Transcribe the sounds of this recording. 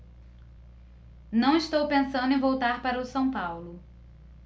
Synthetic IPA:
nɐ̃w̃ist̪owpẽsɐ̃nd̪ʊẽvowt̪aɾpaɾɐʊsɐ̃w̃pawlʊ

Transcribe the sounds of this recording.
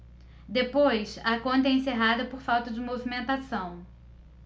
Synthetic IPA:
d̪epojsɐkõnt̪ɐɛẽseɦad̪ɐpoɾfawt̪ɐd͡ʒɪmovimẽnt̪asɐ̃w̃

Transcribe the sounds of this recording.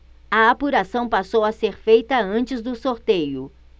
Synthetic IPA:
ɐapuɾasɐ̃w̃pasowɐseɾfejt̪ɐɐ̃nt͡ʃɪzd̪ʊsoɾt̪ejʊ

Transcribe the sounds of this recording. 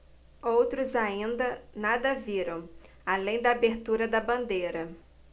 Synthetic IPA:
owt̪ɾʊzaĩnd̪ɐnad̪ɐviɾɐ̃w̃ | alẽj̃d̪ɐːbeɾt̪uɾɐd̪ɐbɐ̃nd̪eɾɐ

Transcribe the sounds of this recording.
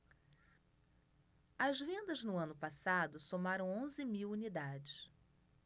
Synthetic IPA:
ɐzvẽnd̪ɐznʊɐ̃nʊpasad̪ʊsomaɾɐ̃w̃õzɪmiwunid̪ad͡ʒɪs

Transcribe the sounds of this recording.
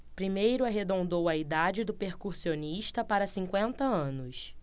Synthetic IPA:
pɾimejɾʊaɦed̪õnd̪owɐid̪ad͡ʒɪd̪ʊpeɾkuɾsioniʃt̪ɐpaɾɐsĩŋkwẽnt̪ɐɐ̃nʊs

